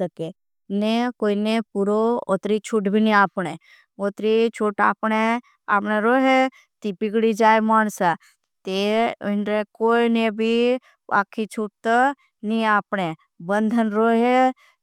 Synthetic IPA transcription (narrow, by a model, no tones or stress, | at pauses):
əke | nekoːinepuɾoot̪ɾit͡ʃʰuʈbʱiniaːpɽe | oːt̪ɾit͡ʃʰuʈa̰ːpɳe | a̰ːpneɾoːɦe | t̪ipɪɡɽid͡ʒaːemaːnsa | t̪enɾekoːinebʱi | a̰ːkʰːit͡ʃʰuʈ̚t̪ | nĩaːpɳe | bənd̪ʱənɾoːɦe